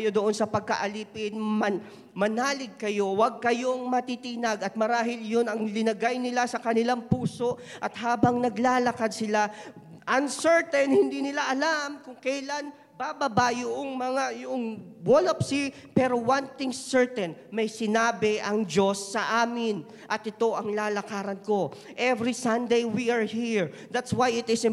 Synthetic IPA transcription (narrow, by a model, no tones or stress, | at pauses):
jod̪oʔonsɐpɐɡ̚kɐ̰ʔɐliːpɪnmɐ | mɐnaːlɪɡ̚kɐjo̞waɡ̚kɐjo̞ŋmɐt̪it̪inaɡɐt̪̚mɐɾaːhɪljʊnɐŋlɪnɐɡajnɪlasɐkɐnɪlaŋpuːso̞ʔʔɐt̪̚haːbɐŋnɐɡlaːlɐkad̪̚sɪla | ʔɐnsɛɹt̪ɛnhɪnd̪inɪlaʔɐlamkʊŋkɛjlan | babɐbajʊʔoŋmɐŋajʊʔoŋwolɐpsi | pɛːɾo̞wɐnt̪ɪŋsɛɹt̪ɛnmɐjsɪnaːbɪʔɐŋd͡ʒo̞sːɐʔaːmɪn | ʔɐt̪ʔɪt̪o̞ʔɐŋlaːlɐkaːɾɐnko̞ | ʔɛvɾisɐnd̪ejwiɐɹhiɹ | d̪at̪swajɪt̪ɪsɪ